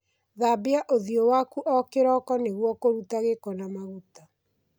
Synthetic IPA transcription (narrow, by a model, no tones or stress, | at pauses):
ðabeaʔoðiowakuʔɔkeɾɔkɔneɣwɔkoɾutaɣekɔnamaɣuta